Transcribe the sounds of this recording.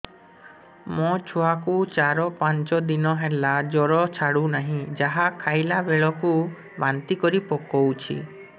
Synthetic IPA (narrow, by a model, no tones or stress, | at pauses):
mɔt͡ʃʰuakut͡ʃaɾɔpaɲt͡ʃɔd̪inɔɦelad͡ʒɔɾɔt͡ʃʰaɽunaɦĩd͡ʒaɦakʰajlabeɭɔku | bant̪ikɔɾipɔkɔwt͡ʃʰḭ